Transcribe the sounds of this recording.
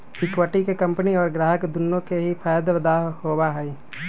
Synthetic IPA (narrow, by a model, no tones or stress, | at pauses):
ɪkwəʈikekɐ̃mpəniɔːɾɡɾaːɦəkd̪ʊnːõkeɦipʰaːjd̪ʋəd̪aːɦhoːwaɦɛiː